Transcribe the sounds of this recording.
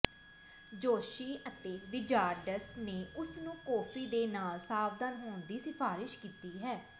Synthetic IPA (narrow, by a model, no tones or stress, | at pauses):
d͡ʒoːʃiːʔət̪eːʋɪd͡ʒaːɾɖəsneːʊsnũːkɔːpʰiːd̪eːnaːlsaːbd̪ənɦoːɳd̪iːsɪpʰaːɾɪʃkiːt̪iːɦɛː